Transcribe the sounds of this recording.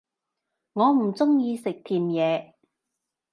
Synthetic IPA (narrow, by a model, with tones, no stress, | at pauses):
ŋɔː˨˧m̩˨˩t͡sʊ˥ŋjiː˧sɪ˨k̚t̪ʰiː˨mjɛː˨˧